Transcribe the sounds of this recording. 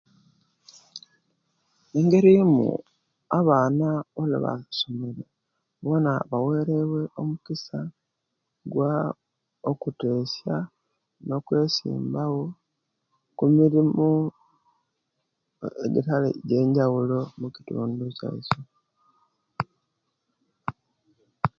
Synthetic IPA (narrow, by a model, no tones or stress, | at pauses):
eŋɡe̞ɾimṵ | aβaːnaolḛβa̰someɾe | βo̞naβawe̞ːɾeβwe̞o̞mukisa | ɡwa | okute̞ːsja | no̞kwe̞ːsḭːmbaɣo̞ | kumiɾimo | ḛɡḭtalḛɟe̞ːɲɟawulo̞muki̥tṵːnduca̰ḭso